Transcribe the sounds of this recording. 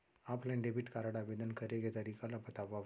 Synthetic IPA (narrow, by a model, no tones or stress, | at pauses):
aplẽɖebiʈkaɾaɽabed̪ənkəɾeɡet̪aɾikalapət̪aʋa